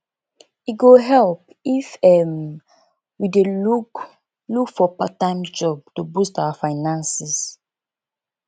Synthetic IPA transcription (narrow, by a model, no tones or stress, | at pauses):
iɡoɦɛlp | ifɛm | wideluk | lukfɔpatãɪ̃md͡ʒɔb̚tobustawafaɪnãnsis